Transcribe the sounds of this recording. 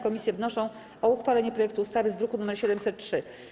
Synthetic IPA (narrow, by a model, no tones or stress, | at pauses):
kɔmʲisʲjɛvnɔʂɔ̃w̃ | ʔɔuxfalɛɲɛpɾɔjɛkt̪uːst̪avɘzd̪ɾukunumɛɾɕɛd̪ɛmsɛt̪̚tʂɘ